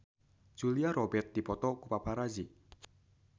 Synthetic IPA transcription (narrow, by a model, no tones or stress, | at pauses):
d͡ʒ̥uliaɾɔbɛrt̪̚d̪̥ipɔt̪ɔkupapʰaɾazi